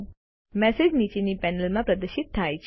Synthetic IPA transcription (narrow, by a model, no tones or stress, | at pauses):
mɛsed͡ʒnit͡ʃenipɛnəlmãpɾɐd̪əʃɪt̪ʰːajt͡ʃʰ